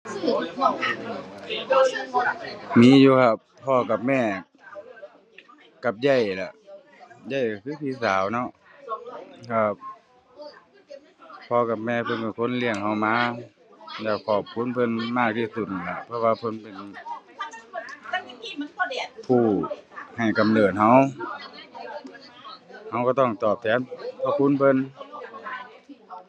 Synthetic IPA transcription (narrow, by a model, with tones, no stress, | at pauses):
miː˧˥˨juː˧kʰa˧˩p̚ | pʰːɔː˧˩ka˨p̚mɛː˧˩ | ka˨˧˩p̚ja˧˩jla˨˧˩ | ja˧˩jka˨˧˩kʰɯː˧˥˨t̪ʰiː˧˥˨saː˨˦wnɔ˧˥˨ʔ | kʰa˧˩p̚ | pʰːɔː˧˩ka˨˩p̚mɛː˧˩pʰɤ˧˨nkɔ˧˩kʰo˧˥˨nli˧˩əŋha˧˩wmaː˧˥ | lɛː˧˩kʰɔː˨˩p̚kʰu˧˥˨npʰɤ˧˥˨nmaː˧˥˩k̚t̪ʰiː˧˩su˧˩t̪̚la˧˩pʰɔ˧waː˧pʰɤ˧˥˨npe˨n˧ | pʰuː˧˩ha˨˩jka˨mnɤː˧˩t̪̚ha˧˥w | ha˧˩wkaː˧˩t̪ɔ˧˥˩ŋt̪ɔː˨˩p̚t̪ʰɛː˨˧˦npʰɔ˧˩kʰu˧˥˨npʰɤ˧˥˨n